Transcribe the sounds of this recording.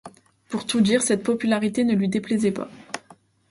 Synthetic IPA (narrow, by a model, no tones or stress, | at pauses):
puʁt̪ud̪iʁsɛt̪̚pɔpylaʁit̪enəlɥid̪eplɛzɛpa̰